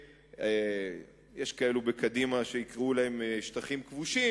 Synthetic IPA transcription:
e | jeʃkae̞lubekad̪imaʃe̞ikʁulahemʃt̪aχimkvuʃi

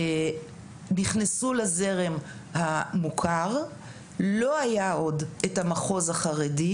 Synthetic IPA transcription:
niχnesulaze̞ʁe̞m | hamukʰaʁ | lo̞ajao̞dethamaχo̞zhaχaʁedi

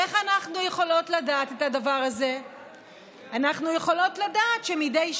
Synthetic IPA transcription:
eχanaχnujeχo̞lo̞tladaːtetadavaʁaze̞ | anaχnujeχo̞lo̞tladaːtʃemidejʃ

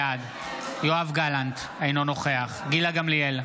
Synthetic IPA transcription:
ad̪ | joavɡalant̪ | ainono̞χe̞aχɡilaɡamlijel

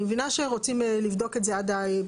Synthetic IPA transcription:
evinaʃeʁot͡simlivd̪o̞ketzead̪ae

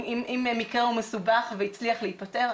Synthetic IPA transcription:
imʔimemikʁeumesubaχveit͡sliaχleit̚pateʁ

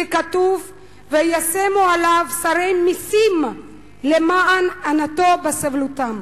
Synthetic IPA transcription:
ekat̪uv | vejasemualavsaɾejmisim | lemaʔananat̪obasavlut̪am

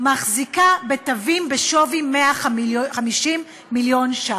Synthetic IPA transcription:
maχzikabe̞tavimbeʃo̞vimeaχχamiʃimː | iljo̞nʃa

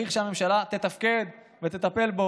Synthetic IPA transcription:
iχʃame̞mʃalat̪e̞t̪afke̞d̪ | vet̪et̪ape̞lbo

